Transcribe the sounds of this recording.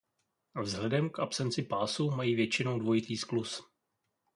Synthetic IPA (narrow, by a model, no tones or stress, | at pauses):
vzɦlɛdɛmkʔapsɛnt͡sɪpaːsumajiːvjɛt͡ʃɪno̞wdvo̞jɪt̪iːsklus